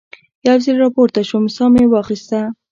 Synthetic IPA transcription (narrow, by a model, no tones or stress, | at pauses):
jawziɾɾɑpoɾt̪aʃomɪsɑmewɑxist̪a